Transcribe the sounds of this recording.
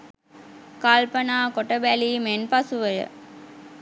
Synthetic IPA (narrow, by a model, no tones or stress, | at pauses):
kalpɐnaːkoʈəbæliːmenpɐsuʋəjə̰